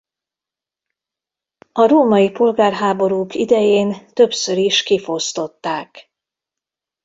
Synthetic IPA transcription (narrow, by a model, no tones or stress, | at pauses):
ɒɾoːmɒjipo̞lɡaːrɦaːbo̞ɾuːkid̪ɛjeːnt̪ø̞psø̞ɾiʃkifo̞st̪o̞t̪ːaːk